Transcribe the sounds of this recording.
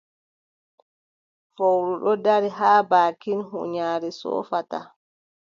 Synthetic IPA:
fowɗuɗɔdaɾiɦaːbaːkinɦṵɲaːɾɛsɔ̰ːfata̰

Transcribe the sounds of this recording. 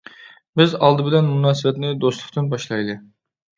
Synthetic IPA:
bɪzɑlˠd̪ɨbɪlɛnmunɑːsɨbɛt̪nɪd̪oslˠʊ̥qt̪ɨnbɑʃlˠɑjd̪ɨ

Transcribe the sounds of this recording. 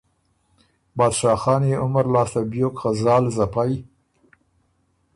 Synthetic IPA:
bɑːd̪ʃɑːxɑːneʊmaɾlɑːst̪abjokxazɑːlzapaj

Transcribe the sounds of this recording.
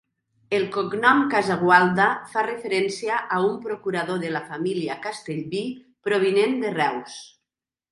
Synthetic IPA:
elˠkoɡnɔmkazaɣwalˠd̪afarefeɾɛnsiaʔaumpɾokuɾaðoðelafamiliakast̪eʎβi | pɾoβ̞inend̪erɛws

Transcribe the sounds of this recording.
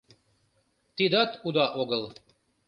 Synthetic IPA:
t̪id̪ɑt̪ʰud̪ɑʔoɣɤl

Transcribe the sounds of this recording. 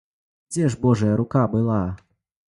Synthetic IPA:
d͡zʲɛʐbɔʐɐjɐɾukabɨlˠa

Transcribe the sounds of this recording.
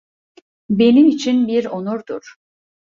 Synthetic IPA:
be̞nimit͡ʃʰinbiɾonuɾd̪uɾ̥

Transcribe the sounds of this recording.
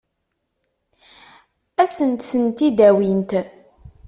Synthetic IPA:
æsənt̪θənt̪id̪æwint̪

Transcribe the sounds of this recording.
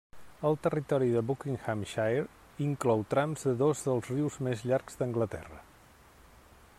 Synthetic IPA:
əlˠt̪ərit̪ɔɾiðəβukiŋxamʃaɾ | iŋklɔwt̪ɾamzðəðozðəlˠzriwzmezʎaɾɡzd̪əŋɡlət̪ɛ̰rə̰

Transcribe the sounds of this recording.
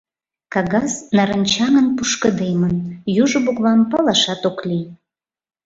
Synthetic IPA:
kɑɣɑznɑɾənʲt͡ɕɑŋənpuʃkəd̪emənjuʒə̆bokβɑmpɑlɑʃɑt̪oklij

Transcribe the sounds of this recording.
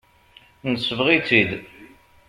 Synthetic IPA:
nəsəvʁit͡sːid̪

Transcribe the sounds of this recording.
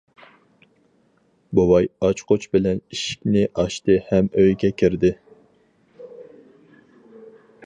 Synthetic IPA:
bowɑjɑt͡ʃqʰot͡ʃbɪlɛniʃi̥kʲnɪʔɑʃt̪ɨhɛmøjɡʲɛkʲʰiɾd̪ɪ

